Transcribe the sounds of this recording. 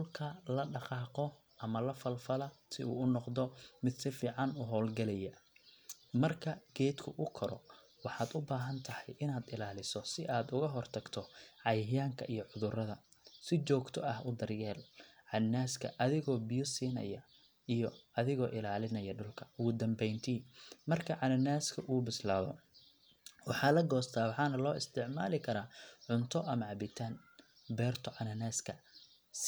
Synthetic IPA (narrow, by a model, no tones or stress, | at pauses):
ʊlkʰɐlɐɖɑqɑːqɔ | ʔɐmɐlɐfɐlfɐlɐsɪ̰ṵːʊnɔqd̪ɔmɪd̪sɪfiːʕɑnʊɦɔːlɡɐlɛjɛ | mɐrkʰɐɡ̥ɛːd̪kʰʊʔʊkʰɔɾɔ̰ | wɑħɑːd̪ʊbaːɦɐnt̪ʰɐhɛjʔɪnaːd̪ɪlaːlɪsɔsɪʔaːd̪ʊɣɐɦɔrt̪ʰɐɡt̪ʰɔʕɑjhjaːŋkʰɐʔijɔʕʊðʊrɐðɐ | sɪt͡ʃɔːɡt̪ʰɔɐhʊd̪ɐrjɛːlʕɑnnaːskʰɐ̰ʔɐðɪɣɔːbɪjɔsiːnɐ̰jɐ | ijɔɐðɪɣɔːʔɪlaːlɪnɐjɐɖʊlkʰɐ̥ʊɣʊd̪ɐmbɛjnt̪ʰiːmɐrkʰɐʕɑnɐnaːskʰɐʔubɪslaːðɔ̰ | wɑħɑːlɐɡɔːst̪ʰaːwɑħɑːnɐlɔːɪst̪ʰɪʕma̰ːlɪkʰɐɾaːʕʊnt̪ʰɔʔɐmɐʕɑbɪt̪ʰaːn | bɛːrt̪ʰɔʕɑnɐnaːskʰɐ | s